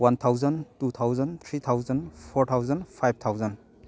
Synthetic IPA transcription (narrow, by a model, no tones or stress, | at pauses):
want̪ʰawzɐntut̪ʰawzɐnt̪ʰɾit̪ʰawzɐnpʰɔɾt̪ʰawzɐnpʰajb̚t̪ʰawzɐn